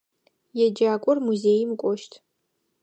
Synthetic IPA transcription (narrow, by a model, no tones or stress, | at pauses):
jɛd͡ʒaːkʷʼʊrmuzejmkʷʼɔʃtʰ